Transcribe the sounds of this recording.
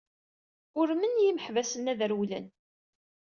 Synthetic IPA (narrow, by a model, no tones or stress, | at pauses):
ʊɾmənjiməħvæsənæðəɾwlən